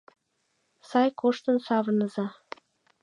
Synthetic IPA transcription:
sɑjkoʃt̪ənsɑβənəzɑ

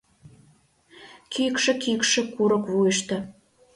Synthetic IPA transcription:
kʰikʃə̆kikʃĕkuɾə̆kβujəʃt̪ə̆

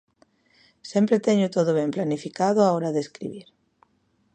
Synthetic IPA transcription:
sempɾet̪eɲʊt̪oðoβemplanifikaðoaoɾaðeskɾḭβiɾ

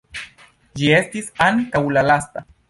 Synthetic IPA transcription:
d͡ʒiest̪isankawlalast̪a

